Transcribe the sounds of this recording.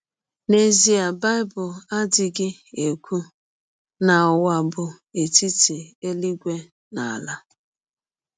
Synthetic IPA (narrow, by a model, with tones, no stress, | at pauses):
ne˦zi˦a˨ba˦ɪ˦bʊ˨la˦dɪ˨ɡɪ˦e˨kʷu˦ | na˨wa˨bʊ˨ | e˨ti˦ti˨e˦li˦ɡʷe˦ | na˨la˦